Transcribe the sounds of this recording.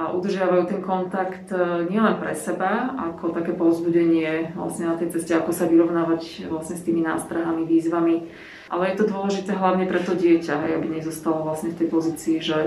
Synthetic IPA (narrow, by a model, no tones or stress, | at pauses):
aʔud̪r̩ʒɪaʋajuːt̪ɛnkɔnt̪akt̪ɲɪɛlɛnpɾɛsɛbaakʰɔt̪akɛːpɔʊzbuɟɛɲɪɛʋla̰sɲɛnat̪ɛjt͡sɛscɛakɔsaʋiɾɔʊnaːʋacʋlasɲɛst̪iːmina̰ːst̪ɾaɦamiʋiːzʋami | ʔa̰lɛjɛt̪ɔd̪ʊɔlɛʒit̪ɛːɦlaʊɲɛpɾɛt̪ɔɟɪɛcaɦɛjabiɲɛzɔst̪alɔʋlasɲɛft̪ɛjpɔziːt͡siːʒɛ